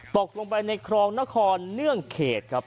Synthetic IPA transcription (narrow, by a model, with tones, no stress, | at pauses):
t̪o˨˩k̚lo˧ŋpa˧jna˧jkʰɾɔː˧ŋna˦˥˩kʰɔː˧nːɯ˥˩əŋkʰeː˨˩t̪̚kʰɾa˦˥p̚